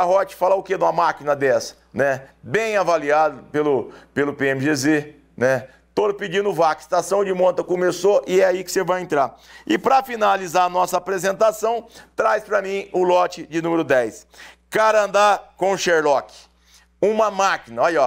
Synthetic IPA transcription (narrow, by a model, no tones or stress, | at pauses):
aɦɔt͡ʃɪ̥falɐʊked̪ũmɐmakinɐd̪ɛsɐ̥ | nɛbẽj̃avaliad̪ʊpelʊpelʊpeẽmɪʒeze | nɛ | t̪olʊpɪd͡ʒĩnd̪ʊvakɪ̥st̪asɐ̃w̃d͡ʒɪmõt̪ɐkomesoʔɪɛaikɪ̥sevajẽnt̪ɾaɾɪpɾɐfinalizaɾɐnɔsɐapɾezẽnt̪asɐ̃w̃t̪ɾajspɾɐmĩj̃ʊlɔt͡ʃɪd͡ʒɪnũmeɾʊd̪ɛjs | kaɾɐ̃nd̪akõw̃ʃeɾlɔkɪ̥ | ũmɐmakinɐɔjɔ